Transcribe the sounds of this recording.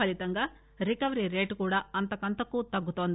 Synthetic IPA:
ɐlit̪ɐŋɡɐ | ɾikɐʋɐɾiɾeːʈkuːɽaɐnt̪ɐkɐnt̪ɐkːuːt̪ɐɡːut̪oːnd̪u

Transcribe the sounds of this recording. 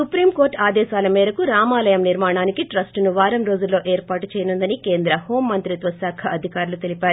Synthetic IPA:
supɾiːmkoːɾʈaːd̪ɛːʃaːlɐmɛːɾɐkuɾaːmaːlɐjɐmniɾmaːɳaːnikiʈɾɐsʈnuʋaːɾɐmɾo̞ːd͡ʒulːo̞ːʔeːɾpaːʈut͡ʃɛːjɐnund̪ɐnikeːnd̪ɾɐho̞ːmːɐnt̪ɾit̪ʋɐsaːkʰɐʔɐd̪ʱikaːɾulut̪e̞lipaːɾu

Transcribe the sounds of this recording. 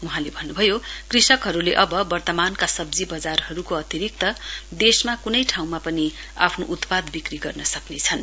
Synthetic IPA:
uɦãlebʱʌnːubʱʌjokrisʌkɦʌɾuleʔʌbʌbʌrt̪ʌmankasʌbd͡zibʌd͡zarɦʌɾukoʌt̪iɾik̚t̪ʌd̪esmakunʌjʈʰaw̃mapʌni | a̰pʰnoʔut̪pad̪bikriɡʌrnʌsʌknet͡sʰʌn

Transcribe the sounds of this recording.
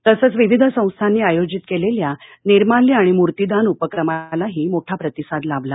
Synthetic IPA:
t̪əsəːt͡sʋiʋid̪ʱəsə̃w̃st̪ʰanːiːajod͡ʑit̪keleljaniɾmalːiːaɽ̃imuɾt̪id̪ʱanupəkɾəmalaɦiːmoʈʰapɾət̪isad̪labla

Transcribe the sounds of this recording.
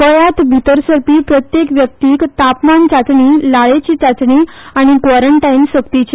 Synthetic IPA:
kəjat̪bʱit̪əɾsəɾpiːpɾət̪jekʋjək̚t̪iːkt̪apmant͡ɕat͡s̪ɳiːlaɭet͡ɕiːt͡sat͡sɳi | aɽ̃ikʋɔɾəɳʈainsəkt̪it͡ɕe

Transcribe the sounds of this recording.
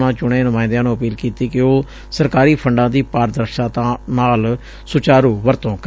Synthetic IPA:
nãːt͡ʃʊɳeːnʊmãːɪ̃d̪ãːnũːəpiːlkiːt̪iːkɪoː | səɾkaːɾiːpʰəɳɖãːd̪iːpaːɾd̪əɾʃãːt̪ãnaːl | sʊt͡ʃaːɾuːʋəɾt̪õːk

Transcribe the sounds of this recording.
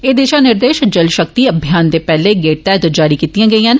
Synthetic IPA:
eːd̪eːʃãːnɪɾd̪eːʃd͡ʒəlʃək̚t̪iːəbʱjaːnd̪eːpɛːleːɡeːʈ̚t̪ɛːt̪əd͡ʒaːɾiːkiːt̪ijãːɡəĩːãːn

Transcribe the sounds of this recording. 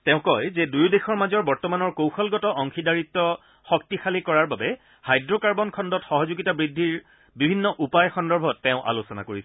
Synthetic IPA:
tɛʊ̃kɔjzɛdujdexɔɹmazɔɹbɔɹtɔmanɔɹkowxɔlɡɔtɔʔɔŋxidaɹitːɔ | xɔk̚tixalikɔɹaɹbabɛ | hajdɹɔkaɹbɔnkʰɔndɔtxɔɦɔzuɡitabɹidʱːiɹ | bibʱinːɔʔupajxɔndɔɹbʱɔtːɛʊ̃ʔa̰losɔna̰koɹisɛ

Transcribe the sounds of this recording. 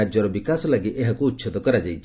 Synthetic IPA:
ad͡ʒɔɾɔbikaslaɡiʔeɦɔkuːtːʃʰɔt̪ɔkəɾad͡ʒajt͡ʃʰ

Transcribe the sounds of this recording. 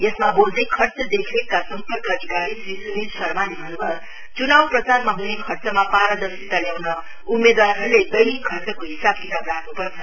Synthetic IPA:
jʌsmabold̪ʌjkʰʌrt͡sʌd̪ekʰlekkasʌmpʌrkʌʌd̪ʱikaɾisisuninsʌrmanibʱʌnubʌ | t͡sunawprʌt͡sarmaɦunekʰʌrt͡sʌmapaɾʌd̪ʌsit̪aljawnʌ | umːed̪waɾɦʌɾuled̪ʌjkʰʌrt͡sʌkoɦisab̚kitabrakʰnupʌrt͡sʰʌ

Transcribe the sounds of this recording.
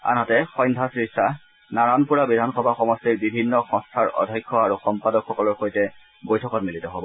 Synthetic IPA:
a̰nɔtɛxɔ̃jndʱasɹisa | naɹanpuɹabidʱanxɔbʱaxɔmɔstiɹbibʱinːɔxɔ̃stʰaɹɔ̰dʱɔjkʰːɔaɹuxɔmpadɔkxɔkɔlɔɹxojtɛ | bojtʰɔkɔtmilitɔɦobɔ

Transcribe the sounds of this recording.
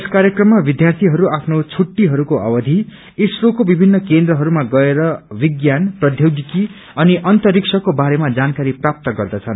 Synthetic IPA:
eskaɾjʌkrʌmːabid̪jart̪ʰiɦʌɾuapʰnot͡sʰuʈːiɦʌɾukoʌ̰bʌd̪ʱi | isrokobibʱinːʌkend̪ɾrʌɦʌɾumaɡʌeɾʌbiɡjanprʌd̪ʱjoɡiki | ʌniʔʌnt̪ʌriksʰʌkobaɾemad͡zankaɾiprap̚t̪ʌɡʌrd̪ʌt͡sʰʌn

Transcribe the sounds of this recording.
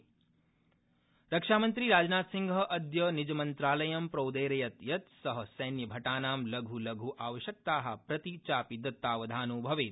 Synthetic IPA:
ɾɐkʂaːmɐnt̪ɾiɾaːd͡ʒɐnaːt̪siŋɡʱɐʔɐd̪jɐnid͡ʒɐmɐnt̪ɾaːlɐjɐmpɾɐwd̪eːɾɐjɐt̪jɐt̪sɐɦɐsɐjnjɐbʱɐʈaːnaːmlɐɡʱulɐɡʱuʔaːʋɐʃjɐk̚t̪aːɦɐ̆pɾɐt̪it͡ʃaːpid̪ɐt̪ːaːʋɐd̪ʱaːnubʱɐʋeːt̪

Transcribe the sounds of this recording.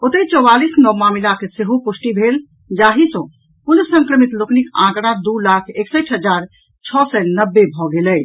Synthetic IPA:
ot̪et͡ʃɔwalisnɔmamilakeseɦopusʈibʱel | d͡ʒaɦisə̃ | ulsə̃ŋkɾəmit̪loknikã̰kɽ̃ãd̪ulakʰeksəʈʰɦəd͡ʒaɾ | t͡ʃʰɔsɛnəbːebʱɔɡelɛ

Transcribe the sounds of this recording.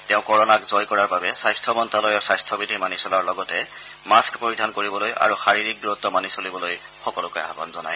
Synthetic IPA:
tɛʊ̃kɔɹɔnakzɔjkɔɹaɹbabɛsajstʰɔbɔntalɔjɔsajstʰɔbidʱimanisɔlaɹlɔɡɔtɛ | maskpoɹidʱankoɹibɔloja̰ɹuxaɹiɹik̚duɹɔt̪ːɔmanisolibɔloj | xɔkɔlʊkɔjɦabɔnzɔnaj

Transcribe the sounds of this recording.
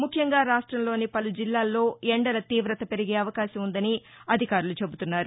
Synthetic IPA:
mukʰːjɐŋɡaːɾaːʂʈɾɐmlo̞ːnipɐlud͡ʒilːaːlːo̞ːeɳɖɐlɐt̪iːʋɾɐt̪ɐpe̞ɾiɡe̞ːɐʋɐkaːʃɐmund̪ɐni | ɐd̪ʱikaːɾulut͡ʃe̞but̪unːaːɾu

